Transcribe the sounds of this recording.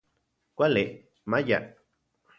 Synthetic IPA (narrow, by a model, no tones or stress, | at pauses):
kʷale | maja̰